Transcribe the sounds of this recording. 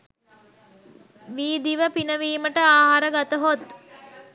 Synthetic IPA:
ʋiːd̪iʋəpinəʋiːməʈəaːɦaɾəɡat̪əɦot̪

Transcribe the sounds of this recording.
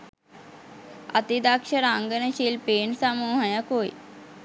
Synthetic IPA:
ɐ̰t̪id̪akʃəɾaŋɡənəʃilpeːnsamuːɦəjəkoj̰

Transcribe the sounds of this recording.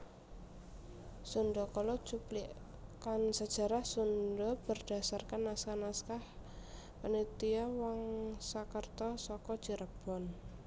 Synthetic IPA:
sunɖɔkɔlɔt͡ʃupliʔ | kansəd̥ʒ̥a̤ɾahsunɖɔb̥ərd̥a̤sarkanːaskanaskah | pənit̪iawaŋsakərt̪ɔsɔkɔd̥d͡ʒ̥iɾəb̥ɔ̤n

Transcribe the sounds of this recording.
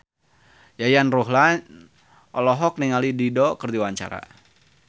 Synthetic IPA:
jajanruɦlan | ʔɔlɔɦɔk̚niŋalididɔkərdiwaɲt͡ʃa̰ɾa̰

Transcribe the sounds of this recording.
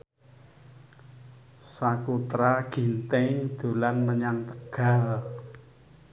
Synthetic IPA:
sakut̪ɾaɡ̥i̤nt̪ɛŋd̪̥ṳlanməɲaŋt̪əɡ̥a̤l

